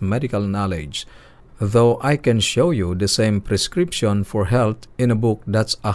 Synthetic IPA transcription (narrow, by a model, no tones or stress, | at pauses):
mɛdikalnalɪ̰d͡ʒ | ðoʊʔajkɛ̃nʃojud̪əsẽj̃mpɾɛskɾipʃɔ̃nfɔɹɦɛlt̪ɪ̃nəbʊk̚d̪at̪sə